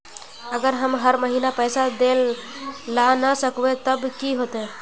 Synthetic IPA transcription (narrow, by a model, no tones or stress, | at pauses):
əɡəɾɦəmɦəɾməɦiːnapəjsad̪elː | anəsəkʋet̪əbkiɦot̪e